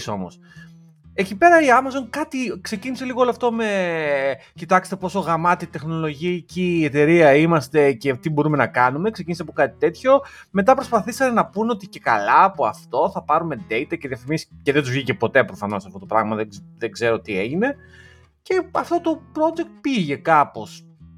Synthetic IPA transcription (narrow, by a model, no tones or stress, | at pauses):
so̞̰mo̞̰s | ecipe̞ɾɐiɐmɐzo̞nkɐt̪ikse̞cinise̞liɣooloɐft̪o̞me̞ | cit̪ɐkst̪e̞po̞soɣɾɐmɐt̪it̪e̞xno̞lo̞ʝiciːet̪e̞ɾiɐimɐst̪e̞ce̞t̪ibo̞ɾume̞nɐkɐnume̞ksecinisɐpokɐt̪i̥t̪e̞t̪ço̞me̞t̪ɐpɾo̞spɐθisɐnenɐpuno̞t̪ice̞kɐ̰lɐːpo̞ɐft̪o̞θɐpɐɾume̞d̪e̞it̪ɐce̞ðiɐfimisceðet̪uzvʝice̞po̞t̪e̞pɾofɐno̞sɐft̪o̞t̪o̞pɾɐ̰ɣmɐðeðeɡze̞ɾo̞t̪ie̞ʝine̞ | ce̞ɐft̪o̞t̪o̞pɾo̞d͡ʒe̞k̚t̪̚piʝe̞kɐpo̞s